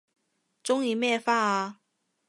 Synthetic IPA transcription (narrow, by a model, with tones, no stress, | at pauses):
ʈ͡ʂʊ˥ŋi˨˩mjɛ˥˧fa˥˩a˧˩